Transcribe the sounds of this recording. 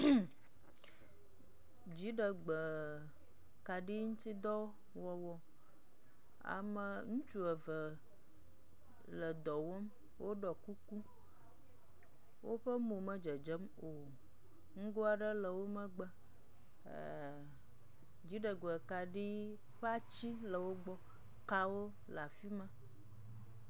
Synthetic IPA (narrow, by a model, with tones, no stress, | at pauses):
d͡ʑi˦ɖə˨ɡ͡bə˨ | ka˨ɖi˦ŋũ˦t̪i˦d̪ɔ˦ | wɔ˨wɔ˦ | a̰˨mə˨ŋũ˦t͡ʃu˦ə˨və˨ | lə˨d̪ɔ˨wɔ˦m | wʔo˦ɖɔ˨ku˦ku˦ | wo˦ɸə˦mũ˨mə̃˦d͡ʒə˨d͡ʒə˦m | o˨ | ŋ̩˦ɡo˦a˨ɖə˦lə˨wo˦mə̃˦ɡ͡bə̰˦˨ | d͡ʑi˨˦ɖə˨ɡo˨e˨ka˨ɖi˦ | ɸa˦t͡ɕi˦lə˨wo˦ɡ͡bɔ˦ | ka˦wo˦ | la˨fi˦mə̃˦